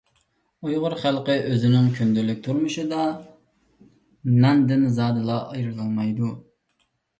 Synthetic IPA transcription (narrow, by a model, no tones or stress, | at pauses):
ujʁʊɾχælˠqəʔøzɪnɪŋkʲʰynd̪ylːɪk̚ʲt̪ʰuɾmuʃɨd̪ɑ | nɛnd̪ɪnzɑːd̪ɨlˠɑʔɑjɾɨlˠɑlˠmɑjd̪u